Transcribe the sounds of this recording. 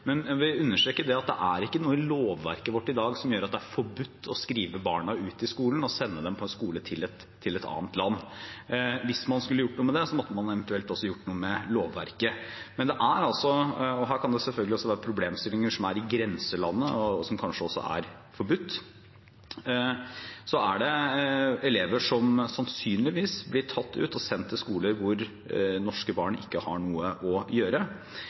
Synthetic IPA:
mɛnʋɪʉnːəʂʈɾeːkːəɖɛɑt̪̚d̪ɛ̰ʔæɾɪkːənuːəloːʋːæ̰ɾkəʋɔʈːɪd̪ɑːɡsɔmjøːɾɑt̪d̪ɛæɾfɔbʉt̪ːɔskɾiːʋəbɑːɳɑʉːt̪ɪskuːln̩ɔsɛnːəd̪ɛmpʰɔɛnskuːlət̪ʰɪlɛt̪ʰːɪlɛt̪ɑ̰ːnt̪lɑnː | ʋɪsmɑnskʉlːəjʊʈːnuːəməd̪ɛsɔmɔt̪ːəmɑnɛʋɛnt̪ʉɛlt̪ɔsːɔjʊʈːnuːəmɛloːʋːæ̰ɾkəmɛnd̪ɛʔæɾɑlsɔɔɦæːɾkʰɑnd̪ɛsɛlfœlɡəlɪɔsːɔʋæːɾəpʰɾʊbleːmst̪ɪlːɪŋəʂɔmæɾɪɡɾɛnsəlɑnːəɔsɔmkʰɑnʂəɔsːɔ̰æ̰ɾ | fɔɾbʉt̪ː | sɔæɖɛ | ɛleːʋəʂɔmsɑnsyːnlɪʋiːsblɪʈʰɑt̪ʰːʉ̰ːt̪ɔsɛnt̪ʰːɪlskuːləɾʋʊɾ | nɔʂkəbɑːɳɪ̰kːəhɑ̰ɳuːəʔɔjøːɾə

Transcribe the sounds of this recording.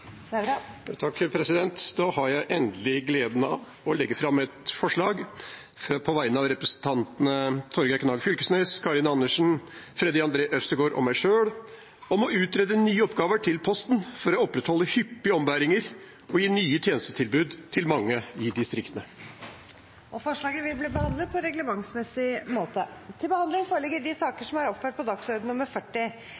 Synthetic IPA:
t̪ʰɑkːɾpʰɾɛsɪd̪ɛnt̪d̪ɑːhɑɾjæɪʔɛnd̪lɪɡleːd̪n̩ɑ̰ʋ | ɔlɛɡːəfɾɑmːɛt̪fɔʂɭɑːɡ | fpʰɔʋæɪnɑʋɾɛpɾəsn̩t̪ʰɑnt̪nət̪ʰɔɾɡəknɑlfʏlkəsnɛɪskʰɑɾɪnɑnːəʂn̩fɾɛd̪ɪɑnd̪ɾeːʔœst̪əɾɡoːɾʔɔ̰mæɪʂøːɽ | ɔmɔʉːt̪ɾɛd̪ənyːəɔpɡɑːʋəʈʰɪlpʰɔst̪nfɔɾɔɔpːɾɛt̪hɔlːəhʏpːɪəɔmʋæːɾɪŋəɾ | ɔjiːnyːət̪ʰjeːnəst̪ət̪ʰɪlbʉːd̪t̪ʰɪlmɑŋːəɪd̪ɪst̪ɾɪkt̪ənə | ɔfɔʂɭɑːɡəʋɪlbliːbəhɑnd̪ləd̪̚pʰɔɾɛɡləmɑŋsmɛsɪmoːt̪ət̪ʰɪlbəhɑnd̪lɪŋfoːɾəɭlɛɡːəɖɪsɑːkəʂɔmæɾɔpføːʈ̚pʰɔd̪ɑksœɾd̪n̩ʊməɾfœʈːɪ

